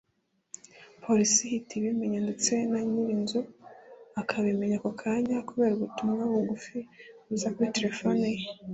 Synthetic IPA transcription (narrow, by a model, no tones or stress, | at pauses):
pʰo̞ɾisihitʰiβimeɲandet͡se̞naɲiβinzuakʰaβimeɲakokʰaːɲakuβe̞ːɾuβutumŋaβuɡufiβuzakuiteɾefonej